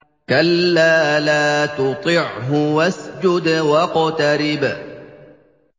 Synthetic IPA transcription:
kalːaːlaːt̪ʊt̪ˤɪʕɦʊwasd͡ʒʊd̪wɑqɑt̪aɾɪb

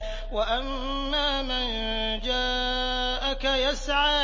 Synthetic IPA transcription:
waʔamː | aːman | d͡ʒaːʔakajasʕaː

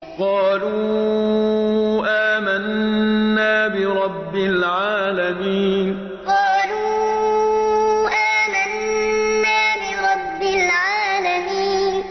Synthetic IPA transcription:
qɑːluː | ʔaːmanː | aːbɪɾˤɑbːɪlʕaːlamiːn | qɑːluː | ʔaːmanː | aːbɪɾˤɑbːɪlʕaːlamiːn

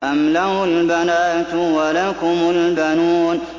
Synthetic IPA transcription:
amlaʊlbanatuwalakʊmʊlbanuːn

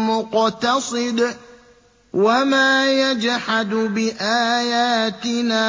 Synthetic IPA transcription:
mʊqt̪ɑsˤɨd̪ | wamaːjad͡ʒhad̪bɪʔaːjaːt̪ɪnaː

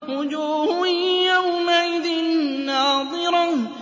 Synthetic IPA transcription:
ɾʊd͡ʒuːhʊjawmaʔɪðɪnːɑːðˤɨɾɑ

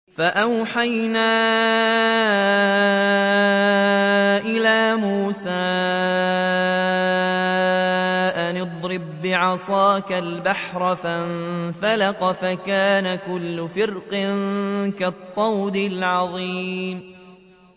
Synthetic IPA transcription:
faʔawħajnaː | ʔɪlaːmuːsaː | ʔanɨd̪ˤɾɪbːɪʕɑsˤɑːkalbaħɾˤɑfanfalaqɑfakaːnakʊlːʊfɪɾqɪnkat̪ˤːɑwd̪ɪlʕɑðˤiːm

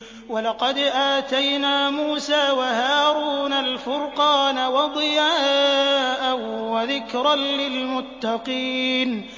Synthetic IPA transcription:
walɑqɑd̪ʔaːt̪ajnaːmuːsaːwahaːɾuːnalfʊɾqɑːnawɑd̪ˤɨjaːʔawaðɪkɾɑnlɪlmʊt̪ːɑqiːn

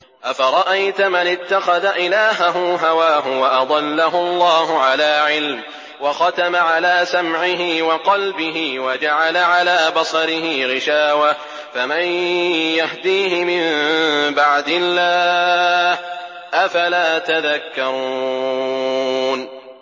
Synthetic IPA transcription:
ʔafaɾˤɑʔajt̪ʊmanɪt̪ːaxɑðaʔɪlaːɦaɦʊɦawaːɦʊwaʔɑd̪ˤɑlːaɦʊlˤːɑːɦʊʕalaːʕɪlm | wɑxɑt̪amaʕalaːsamʕɪɦɪːwɑqɑlbɪɦiːwad͡ʒaʕalaʕalaːbɑsˤɑɾɪɦɪɣɪʃaːwa | famanjahd̪iːhɪmɪmmbaʕd̪ɪlːaː | h | ʔafalaːt̪aðakːɑɾˤuː | n

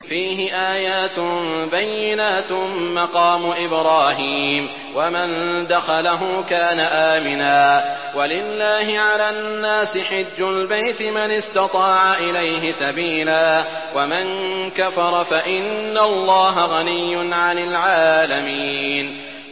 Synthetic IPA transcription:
fiːɦɪʔaːjaːt̪ʊbajːɪnaːt̪mːɑqɑːmʊʔɪbɾɑːɦiːm | wamand̪axɑlaɦʊkaːnaʔaːmɪnaː | walɪlːaːɦɪʕalaːnːaːsɪħɪd͡ʒːʊlbajt̪ɪmanɪst̪ɑt̪ˤɑːʕaʔɪlajɦɪsabiːlaː | wamankafɑɾˤɑfaʔɪnːalˤːɑːɦaɣalɪjːʊnʕanɪlʕaːlamiːn

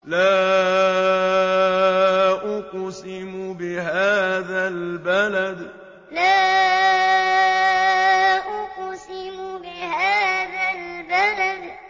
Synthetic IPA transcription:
laː | ʔʊqsɪmʊbɪhaːðalbalad̪ | laː | ʔʊqsɪmʊbɪhaːðalbalad̪

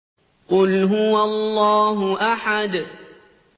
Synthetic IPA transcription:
qʊlɦʊwaɑlˤːɑːɦʊʔaħad̪

